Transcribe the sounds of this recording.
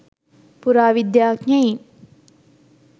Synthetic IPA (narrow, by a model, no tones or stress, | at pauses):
puɾaːʋid̪jaːkɲɐi